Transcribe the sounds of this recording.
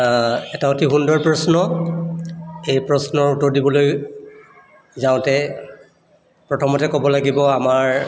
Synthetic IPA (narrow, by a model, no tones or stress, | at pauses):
ɛtaotʰiɦundɔɹpɹɔsnɔ | ejpɹɔsnɔɹutɔɹdibɔloj | zaʊ̃tɛ | pɹɔtʰɔmɔtɛkɔbɔlaɡibɔamaɹ